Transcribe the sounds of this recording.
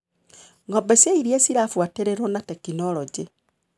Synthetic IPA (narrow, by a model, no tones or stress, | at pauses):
ŋɡobesjaiɾiesiɾafwateɾeɾonatekinoloɟi